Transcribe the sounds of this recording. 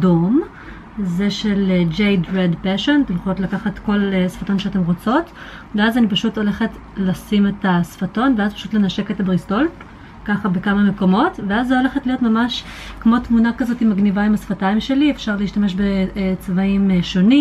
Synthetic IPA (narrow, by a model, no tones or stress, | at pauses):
dom | ze̞ʃe̞led͡ʒejdʁedpeʃontemχootlakaχatko̞lesfato̞nʃeate̞mʁo̞t͡so̞t | veazanipaʃuto̞le̞χe̞t | lasime̞tasfato̞nveazpḁʃutle̞naʃe̞ketabʁisto̞l | kaχabe̞kamame̞ko̞mo̞tveazːoole̞χetlijo̞tmamaʃkmo̞tmunakazo̞timaɡnivaimasfataimʃe̞liefʃaʁleiʃtame̞ʃ̬be̞t͡svaimʃo̞ni